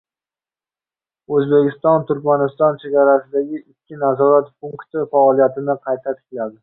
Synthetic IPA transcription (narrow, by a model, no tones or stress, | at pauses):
ɵzbe̞kʲɪst̪ɒnt̪ʰʊɾkʲmanɪst̪ɒnt͡ʃʰe̞ɡʲaɾasɪd̪aɡʲɪʔɪkʲʰːɪnazɒɾat̪pʰʊŋkt̪ɪfaɒlˠijat̪ʰɪnɪqʰɑjt̪ʰat̪ʰɪ̥kʲlad̪ɪ